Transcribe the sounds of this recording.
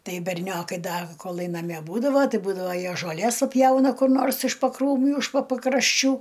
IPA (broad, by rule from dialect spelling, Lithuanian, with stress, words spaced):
ˈtɐɪ bʲɛrʲˈnʲoːkɐɪ ˈdɐ koːˈlˠɐɪ nɐˈmʲiɛ ˈbuːdɐʋoː ˈtɐɪ ˈbuːdɐʋoː ˈjiɛ ʒoːˈlʲeːs pɐˈpʲjɛʊnɐ kʊr ˈnoːrs ɪʃ pɐkruːˈmʲuː ɪʃ poː pɐkrɐʃʲˈt͡ʃʲuː